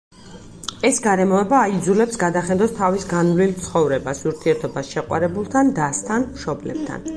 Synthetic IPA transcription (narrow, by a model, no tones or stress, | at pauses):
ɛsɡaɾɛmɔɛbaːid̪zulɛpsɡad̪aχɛnd̪ɔst̪ʰavisɡanlilt̪sʰχɔvɾɛbasuɾt̪ʰiɛɾt̪ʰɔbasʃɛqʼwa̰ɾɛbulˠt̪ʰand̪ast̪ʰanmʃɔblɛ̰b̥̚t̪ʰa̰n